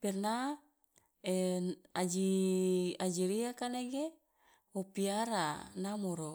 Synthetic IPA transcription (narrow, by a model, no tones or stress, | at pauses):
pɛrna | ead͡ʒi | ad͡ʒiɾiakaneɡe | wopiaɾanamoɾo